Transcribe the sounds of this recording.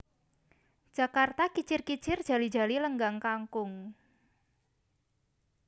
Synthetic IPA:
d̥ʒ̥a̤kart̪akit͡ʃɪrkit͡ʃɪrd̥ʒ̥a̤lid̥ʒ̥a̤liləŋɡaŋkaŋkʊŋ

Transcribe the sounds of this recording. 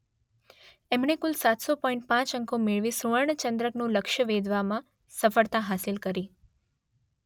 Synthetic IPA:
emɳekʊlsat̪sopɔ̃ĩɳʈ̚pãt͡ʃəŋkomeɭʋisuʋəɭɳət͡ʃə̃nd̪ɾəknũləkʃəʋed̪ʋamã | səfəɭt̪aɦasilkəɾi

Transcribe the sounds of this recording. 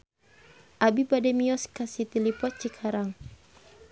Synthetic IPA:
ʔabibadɛmiɔskasit̪ilipɔt͡ʃikʰaɾaŋ

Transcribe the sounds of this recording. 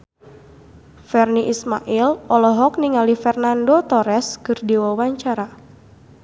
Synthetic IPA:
fɛrniʔismaʔilɔlɔɦɔk̚niŋalifɛrnandot̪ɔɾɛskɨrdiwawaɲt͡ʃaɾa

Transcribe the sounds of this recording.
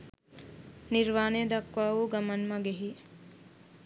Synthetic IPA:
niɾʋaːned̪ɐkʋaːʋuɡɐmɐnmɐɡeɦi

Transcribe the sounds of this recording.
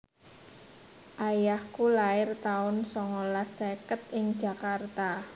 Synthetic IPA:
ʔajahkulaɪrt̪aʊnsɔŋɔlasekət̪̚ʔɪŋ̥d͡ʒa̤kart̪a

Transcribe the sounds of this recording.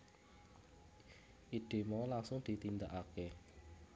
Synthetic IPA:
ʔid̪̥e̤mɔlaŋsʊŋd̪̥i̤t̪ind̪aʔake

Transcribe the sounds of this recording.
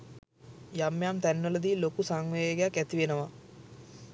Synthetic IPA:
jamːjamt̪ænːələd̪ilokusaŋʋeɡejakæt̪iʋenəʋa

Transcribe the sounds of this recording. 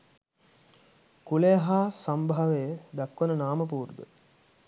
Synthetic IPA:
kuleɦaːsɐmbʱaʋejəd̪ɐkːʋənənaːməp̬uːɾd̪ə̰

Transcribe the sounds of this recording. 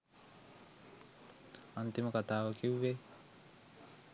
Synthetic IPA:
ant̪iməkat̪aːʋɐkiʋːe

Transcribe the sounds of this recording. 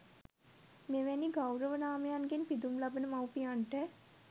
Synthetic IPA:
meʋæniɡawɾəʋənaːməjanɡenpid̪umlabənəmawpijaɳʈə

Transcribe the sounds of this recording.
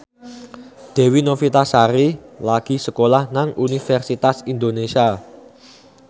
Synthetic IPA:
d̪̥ɛ̤winofit̪asaɾilaɡ̥i̤səkolahnaŋunifɛrsit̪asind̪onesia

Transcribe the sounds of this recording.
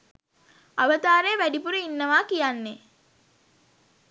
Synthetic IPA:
aʋət̪aːɾejəʋæɖipuɾəinːəʋaːkijanːe

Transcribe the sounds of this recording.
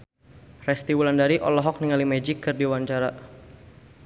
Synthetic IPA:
rɛst̪iwulandaɾiʔɔ̰lɔɦɔk̚niŋalimɛd͡ʒikːɨrdiwaɲt͡ʃaɾa

